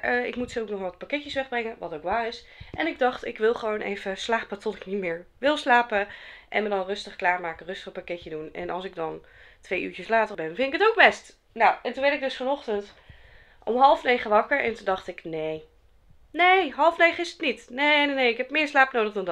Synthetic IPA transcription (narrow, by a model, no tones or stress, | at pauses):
əɪ̰kmutsoknɔχʋɑt̚pakɛcəsʋɛχbrɛŋəʋɑtowkʋaːrɪs | ʔɛnɪɡ̚dɑχtɪkʋɪlˠχəʋownʔḛjvəslaːpətɔtɪknitmɪːɹʋɪlˠslaːpəʔɛ̰nmədɑnrɵstəχklaːɹmaːkərɵstəχpakɛtədunɛ̰nʔɑ̰lˠsɪɡ̚dɑn | tʋejʔy̰ːɹcəslaːtərbɛnfɪntɪkətowk̚bɛst | nowʔɛntunʋɛɹtɪɡ̚dɵsfɔnɔχtənt | ʔɔ̰mɦɑlˠfnejχəʋɑkəɹɛ̰ntundɑχtɪknej | nejɦɑlˠfnejχəɪsətnitnenenejɪkɦɛpmɪːɹslaːpnowdəχdɑnd